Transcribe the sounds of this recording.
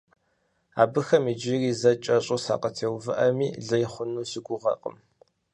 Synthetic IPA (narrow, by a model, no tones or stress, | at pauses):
a̰ːbɨxɐmid͡ʒɪriːzɐt͡ʃʼɐɕʼusa̰ːqətʰeːwvɨʔɐmiːɮɐjχʷʊnuːsɪɡʷʊʁɐ̰qʼə̰m